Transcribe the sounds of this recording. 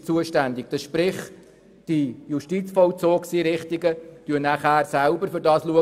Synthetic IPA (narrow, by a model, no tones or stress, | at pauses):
t͡suəʃtænd̪ɪk̚d̥əsʃpɾɪχ | d̥ijuʃtit͡sfɔlt͡soːksiɾɪχt̪ɪɡətyənæχæːɾsælbəɾfʏɾdɑːsluə